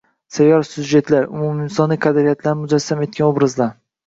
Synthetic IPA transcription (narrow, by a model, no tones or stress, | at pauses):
sajɒɾsʊd͡ʒːe̞t̪laɾʊ̰mʊmɪnsɒniqʰɑd̪ɾijat̪ʰlaɾmʊd͡ʒasːame̞t̪̚kʲanobɾazlaɾ